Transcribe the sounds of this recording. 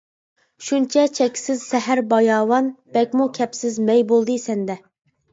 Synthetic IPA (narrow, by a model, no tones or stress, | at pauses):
ʃunt͡ʃʰɛt͡ʃʰɛkʲsɪzsɛɦæɾbɑjɑːwɑnb̥ɛkʲmukʲʰɛpsɪzmɛjbolˠd̪ɨsɛnd̪ɛ